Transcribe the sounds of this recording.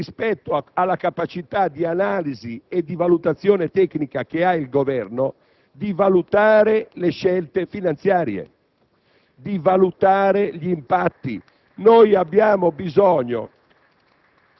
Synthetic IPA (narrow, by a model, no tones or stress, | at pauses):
ispɛt̪ːoalːakapat͡ʃit̪ad̪ianaːliziɛd̪ːivalut̪at̪sːjɔːnet̪ɛknikak̟eailɡovɛrno | d̪ivalut̪aːɾeleʃːɛlt̪efinant̪sjaːɾjḛ | d̪ivalut̪aːɾeʎimpat̪ːi | nojabːjaːmobizɔːɲo̰